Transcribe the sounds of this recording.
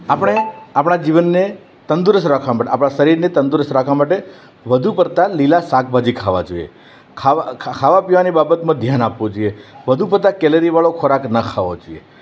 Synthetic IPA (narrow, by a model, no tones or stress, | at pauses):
apəɽ̃eapɳ̃ad͡ʒiʋənːe | t̪ənd̪uɾəsɾakʰʋamaʈeapɽ̃aʃəɾiɾnet̪ənd̪uɾəsɾakʰʋamaʈe | ʋəd̪ʱupəɾt̪alilasak̚ʰbʱad͡ʒikʰaʋa̰d͡ʒoḭḛ | kʰakʰaʋapiʋanibabət̪mãd̪ʱjanapʋod͡ʒoijeʋəd̪ʱup̬əɾt̪akɛleɾiʋaɭokʰoɾaknəkʰaʋod͡ʒoie